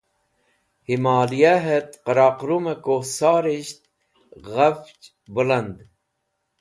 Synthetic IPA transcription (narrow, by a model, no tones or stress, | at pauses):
himaːlijaɦet̪qəɾaːqɾumɐkosaːɾiɕt̪̚ | ɣɐft͡ʃ | bulɐnd̪